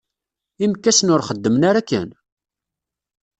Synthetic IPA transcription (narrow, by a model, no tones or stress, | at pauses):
imkːæsnʊɾχəd̪ːəmnaɾakːə̰n